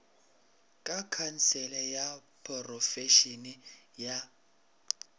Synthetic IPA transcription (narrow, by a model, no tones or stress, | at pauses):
kʼakʰant͡sɛlɛjapʰʼɔrɔfɛʃinija